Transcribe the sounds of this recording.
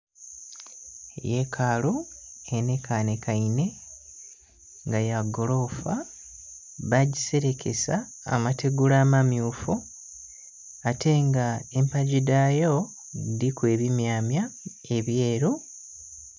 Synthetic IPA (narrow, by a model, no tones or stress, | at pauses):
jekʰaːlue̞nekane̞kaine̞ | ŋɡajaɡolo̞fa | βaɟise̞ɾe̞kʰe̞̰sa̰ːmate̞ɡulaːmamjuːfu | atʰe̞ŋɡaempaɟidajo̞ | dikwe̞ːβimjaːmja | e̞βje̞ːɾu